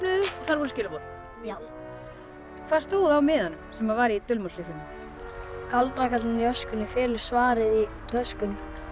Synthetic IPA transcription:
nʏðɔθaɾvɔɾʏscɪːlɪpot̪ | kʰv̥að̥st̪oːwðawmɪðhanːʏmsɛmavaɾit̪ʏlmɔsliflʏnɪ | kalt̪ɾakat̪lɪnjœskʏnːɪfɪːlʏ̥svaːɾɪði | t̪ʰœskʏn

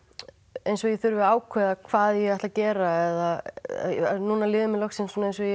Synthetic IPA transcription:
ejnsɔjɛθʏɾvɪaːwkʰvɛːðakʰv̥aːðjɛɣɛht̪lacɛːɾaɛða̰ | a̰nuːnalɪːðʏmɛlɔxsɪnsnejns̬ɔj

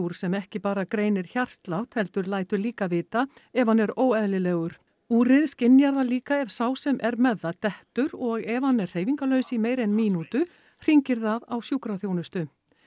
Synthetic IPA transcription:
uɾ̥sɛmɛhcɪpaːɾakɾeːjnɪɾ̥çar̥st̪lawt̪hɛlt̪ʏɾlaːjt̪ʏɾliːkavɪːt̪aɛvanːɛɾoːwɛðlɪlɛːɣʏɾ̥ | uːɾɪðscɪnjaɾðaliːkaɛvsaːwsɛmʔɛɾmɛðːat̪ɛht̪ʏɾɔɣɛvanːɛr̥r̥eːjviŋkalœːɥsimeːjɾɛnmiːnut̪ʏ | r̥iɲcɪɾθaðawsjukɾaθjownʏst̪ʏ

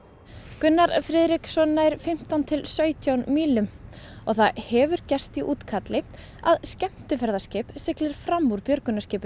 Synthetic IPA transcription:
kʏnːaɾfɾɪðɾɪksɔnːajɾfɪm̥t̪awnt̪ʰɪlsœːɥt̪ʰjawnmiːlʏmɔɣθaðhɛvʏɾcɛr̥st̪iʔuːt̪kʰat̪lɪ | aðscɛm̥t̪ɪfɛɾðascɪːpsɪklɪɾ̥fɾamːuɾpjœɾkʏnːascɪːpʏ

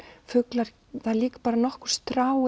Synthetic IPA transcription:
fʏklaɾ | θaðliːkḁpaːɾanɔhkʏ̥ɾ̥st̪ɾaːw

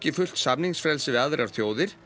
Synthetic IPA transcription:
cɪfʏl̥t̪sapniŋsfɾɛlsɪðaðɾʔavθjoːwðɪɾ̥

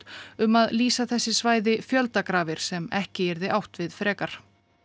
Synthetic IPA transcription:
t̪ʏmaðliːsaθɛsːɪsvaːjðɪfjœlt̪akɾaːvɪɾ̥sɛmɛhcɪɛɾðɪʔawht̪vɪðfɾɛːkaɾ̥

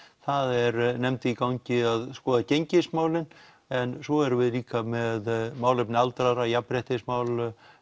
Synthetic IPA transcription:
θaðɛɾnɛmt̪ɪikawɲcɪaðskɔːðaceɲcɪsmaːwlɪn | ɛnsvɔɛɾʏvɪðliːkamɛðmaːwlɪpnɪalt̪ɾaɾajapɾɛht̪ɪsmaːwl

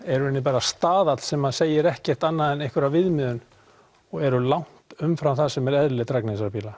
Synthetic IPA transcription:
ɛɾʏɛnːɪp̬aːɾast̪aːðat̪l̥sɛmːaðseːjɪɾɛhcɛr̥t̪anːaðɛnejhkvʏɾavvɪðmɪðʏn | ɔɣɛɾʏlawŋ̥t̪ʏmfɾawθasɛmɛɾɛðlɪt̪ɾaknɪsaɾpʰiːla

